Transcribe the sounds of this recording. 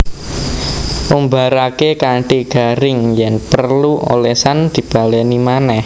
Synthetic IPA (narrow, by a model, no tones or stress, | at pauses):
ʔumbaɾakekaɳʈiɡ̥a̤ɾɪŋjɛŋpərluʔo̰lesand̪̥i̤b̥a̤lɛnimanɛh